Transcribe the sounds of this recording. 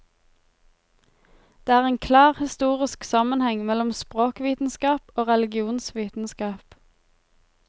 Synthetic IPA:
d̪̥eːæːʁeːŋkʰlɑːʁhɪst̪uːʁɪsksɑmənhɛŋmɛlɔmspʁoːkʋiːt̪n̩skɑːpoːʁɛlɪɡɪuːnsʋiːt̪n̩skɑːp

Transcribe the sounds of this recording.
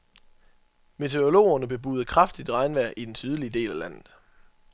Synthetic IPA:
me̝t͡sʰe̝o̝lo̝̰ːɐnəb̥e̝b̥ṵːð̞̩ˠəkʰʁɑ̈fd̥id̥ʁɑ̈ɪnʋæɐ̰ʔid̥ensyð̞ˠliəd̥e̝̰ːlælæn̰ð̩ˠ

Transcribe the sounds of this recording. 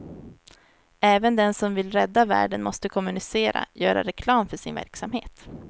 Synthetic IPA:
ɛːvənd̪ɛnsɔmvɪlɾɛd̪ːavæ̰ːɖənmɔst̪əkʰɔmɵnɪseːɾa̰jœːɾa̰ɾɛkʰlɑːmfœʂɪnvæ̰ɾksamheːt̪

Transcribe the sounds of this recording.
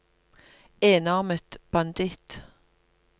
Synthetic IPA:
eːnɑʁmət̪b̥ɑnd̪ɪt̪

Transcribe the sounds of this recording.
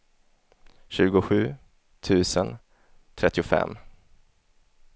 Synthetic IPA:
ɕʉ̟ːɡʊɧʉ̟ː | t̪ʰʉ̟ːsən | t̪ʰɾɛt̪ːɪʊfɛ̰mː

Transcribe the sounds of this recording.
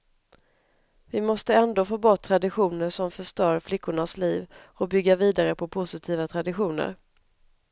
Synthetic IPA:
vɪmɔst̪əɛnd̪oːfoːbɔʈt̪ʰːɾad̪ɪɧuːnəʂɔmfœʂt̪œːɾflɪkːʊɳasliːv | ɔbʏɡːaviːd̪aɾəpʰɔpʰʊsɪt̪ʰiːvat̪ʰɾad̪ɪɧuːnə̰ɾ

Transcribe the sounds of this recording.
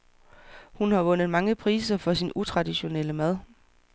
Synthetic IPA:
hunhɑ̈ʋɔ̽n̰ð̩ˠmɑ̈ŋəpʰʁiːsɐfɒ̽sinʔut͡sʰʁɑ̈d̥iɕo̝neləmæð̞ˠ

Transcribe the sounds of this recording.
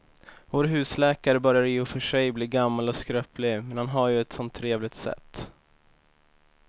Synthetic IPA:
voːɾɦʉ̟ːslɛːkaɾəbœɾjaɾɪjʊfœʂɛjbliːɾɡamːalɔskɾœːplɪmɛnhanɦaɾjɵɛt̪sɔnt̪ʰːɾeːvlɪɡ̚t̪sɛ̰t̪ː

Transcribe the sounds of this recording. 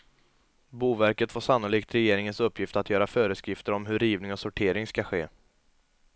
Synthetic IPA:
buːvæɾkət̪foːʂanːʊliːkt̪ɾɛjeːɾɪŋənsɵpːjɪft̪əat̪ʰjœːɾafœːɾəskɾɪft̪əɾɔmɦɵɾiːvnɪŋɔsʊʈʰeːɾɪŋskaɧeː

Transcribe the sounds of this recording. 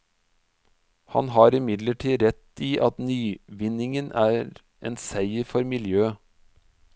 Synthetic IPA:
hɑ̰nɦɑːɾɪmɪd̪ləʈʰiːɾɛt̪iːʔɑt̪nyːʋɪnɪŋənʔæːɾ | ʔḛːnsæɪəfɔɾmɪljøː

